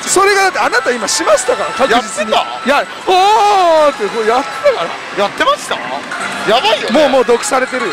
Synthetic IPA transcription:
so̞ɾe̞ɡad̪at̪ːeanat̪aimaɕimaɕi̥t̪akaɾakakjɯd͡ʑit͡sɨɲia | ja | at̪ːesojat̪ːet̪akaɾa̰ | jat̪ːemasɨ̥k̪a̰jabaiomoːmo̞ːd̪o̞kɯ̟̥saɾe̞t̪eɾɯ̟

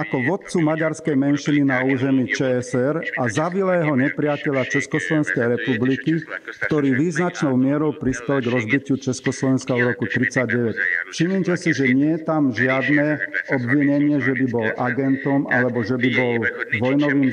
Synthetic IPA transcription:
akɔʋɔt̪̚t͡sumaɟaɾskɛjmɛnʃininauːzɛmiːt͡ʃɛɛsɛɾazaʋilajɛɦɔɲɛpɾɪacɛʎat͡ʃɛskɔslɔʋɛnskɛjɾɛpublikikt̪ɔɾiːʋiːznat͡ʃnɔʊmɪɛɾɔʊpɾispɛlɡɾɔzbicɪut͡ʃɛskɔslɔʋɛnskaɔɾɔkut̪ɾit͡saɟ̚ɟɛʋɛcʃiɲimcɛsiʒɛɲɪɛt̪amʒɪad̪nɛɔbʋiɲɛɲɪɛʒɛbibɔlʔaɡɛnt̪ɔmalɛbɔʒɛbibɔlʋɔjnɔʋiːm

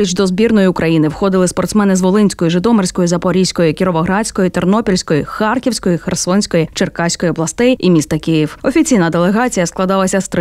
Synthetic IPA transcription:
it͡ʃd̪ɔzbʲirnɔjʊʊkɾʔɐjinɪwxɔd̪ɪlˠɪspɔrt̪smɛnɪzʋɔlˠɪnʲsʲkɔjʊʒɪd̪ɔmersʲkɔjʊzɐpɔɾʲijsʲkɔjʊkʲiɾɔʋɔɦɾɑsʲkɔjʊt̪ernɔpʲilʲsʲkɔjʊxarkʲiwsʲkɔjʊxersɔnʲsʲkɔjit͡ʃerkasʲkɔjiɔblˠɐst̪ɪjimʲist̪ɐkʲɪjiwɔfʲit͡sʲijnɐd̪elˠeɦat͡sʲijɐsklˠɐd̪ɑlˠɐsʲɐst̪ɾ

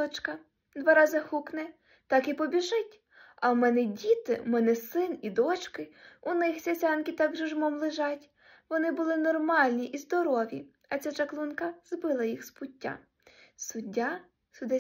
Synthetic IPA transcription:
ɔt͡ʃkɐ | d̪ʋɑɾɑzɪxuknɛ | t̪ɑkipɔbʲiʒɪtʲ | ɐwmɛnɛdʲit̪ɪmɛnɛsɪnid̪ɔt͡ʃkɪʊnɪxsʲɐsʲɑnkʲit̪ɑɡʒɔʒmɔmlˠɪʒɑtʲ | ʋɔnɪbʊlˠɪnɔrmɑlʲnʲiʔizd̪ɔɾɔʋʲḭ | ɐt͡sʲat͡ʃɐklˠunkɐzbɪlˠɐjixspʊtʲːa̰ | sʊdʲːa | sʊd̪ɪ

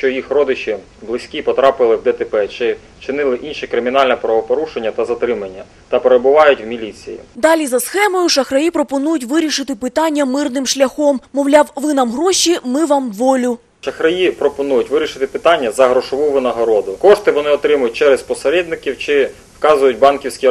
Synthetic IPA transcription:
ʃt͡ʃɔjixɾɔd̪ɪt͡ʃi | blˠɪsʲkʲipɔt̪ɾɑpɪlˠɪwd̪ɛt̪epɛt͡ʃɪ | t͡ʃɪnɪlˠɪʔinʃikɾɪmʲin̪ɑlʲnɛpɾɐʋɔpɔɾuʃenʲːɐt̪ɐzɐt̪ɾɪmɐnʲːɐ | t̪ɐpeɾebʊʋɑjʊtʲwmʲilʲit͡sʲḭjḭd̪ɑlʲizɐsxɛmɔjʊʃɐxɾɐjipɾɔpɔnujʊtʲʋɪɾʲiʃɪt̪ɪpɪt̪ɑnʲːɐmɪrnɪmʃlʲɐxɔmːɔʋlʲɑwʋɪnɑmɦɾɔʃimɪʋɑmʋɔlʲʊ | ʃɐxɾɐjipɾɔpɔnujʊtʲʋɪɾʲiʃɪt̪ɪpɪt̪ɑnʲːɐzɐɦɾɔʃɔʋuʋɪnɐɦɔɾɔd̪ʊkɔʃt̪ɪʋɔnɪɔt̪ɾɪmʊjʊt̚ʲt͡ʃɛɾɛspɔseɾɛd̪nɪkʲiwt͡ʃɪ | fkɑzʊjʊtʲbɑnkʲiwsʲkʲi

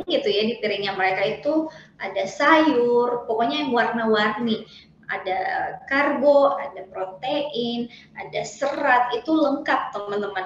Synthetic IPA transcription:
ɡit̪ujadipiɾɪŋɲaməɾekait̪uʔadasajʊrpokɔɲajaŋwarnawarni | a̰da̰karɡɔadapɾot̪eʔɪn | adasəɾat̪̚it̪uləŋkap̚t̪əmənt̪əman

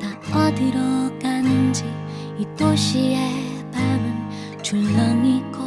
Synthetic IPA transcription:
taʌdɯɾʌɡanɯnd͡ʑi | it͈oɕʰie | pabɯn | t͡ɕuɭmʌnik͈o

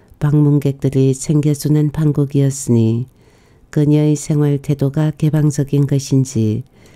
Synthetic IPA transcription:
paŋmuŋɡe̞k̚t͈ɯɾisʰe̞ŋɡjʌd͡ʑunɯnpʰaŋɡuɡiʌs͈ɯɲi | kɯɲʌisʰe̞ŋwaɭtʰe̞doɡake̞baŋd͡ʑʌɡinɡʌɕʰind͡ʑi

